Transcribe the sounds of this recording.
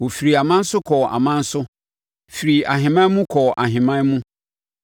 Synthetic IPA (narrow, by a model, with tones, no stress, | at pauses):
wo˨fi˨ɾi˨a˨mã˦n̩˦sʊ˦kʰɔ˨a̰˨mã˦n̩˦sʊ˦ | fi˨ɾi˨a˨ɦɪ̃˨mã˦mũ˦kʰɔ˨ʔa˨ɦɪ̃˨mã˦mũ˦